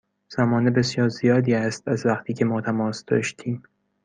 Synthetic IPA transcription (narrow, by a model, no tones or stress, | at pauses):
z̥æmɒːnebe̞sjɒːɾzijɒːd̪iːæst̪æzvæχt̪ʰiːcʰe̞mɒːt̪ʰæmɒːsd̪̥ɒ̰ːʃt̪ʰiːm